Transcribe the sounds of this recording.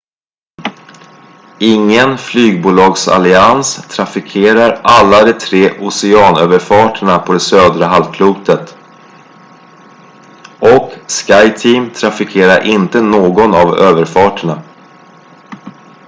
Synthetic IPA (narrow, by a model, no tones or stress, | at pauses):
ɪŋːənflyːɡ̚buːlɑːɡsa̰lɪanst̪ʰɾafɪkʰeːɾaɾʔalːad̪ɛt̪ʰɾeːʔʊsɛɑːnø̰ːvəɾfɑːʈəɳapʰɔd̪ɛsøːd̪ɾəɦalvkʰluːt̪ʰət̪ | ɔkskajt̪ʰiːmt̪ʰɾafɪkʰeːɾaɾʔɪnt̪ənoːɡɔnavøːvəɾfɑːʈəɳa